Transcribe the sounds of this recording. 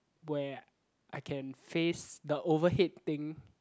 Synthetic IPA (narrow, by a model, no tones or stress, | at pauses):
wɛ | ʔaɪkʰɛ̃nfesd̪əʔovəɦɪt̚t̪ɪ̃ŋ